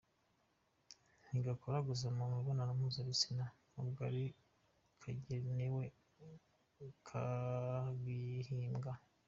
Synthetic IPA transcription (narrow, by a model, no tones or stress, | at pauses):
niɡakʰoɾaɡuzamumweβonanamuzaβisina | ubɡaɾi | kʰaɟenewe | kʰa | ɡihiːmɡa